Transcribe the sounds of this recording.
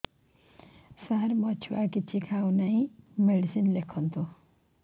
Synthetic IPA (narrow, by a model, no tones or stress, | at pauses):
sarmʌt͡ʃʰuakit͡sʰikʰawnaj̃meɽisinlekʰːʌnt̪ʰu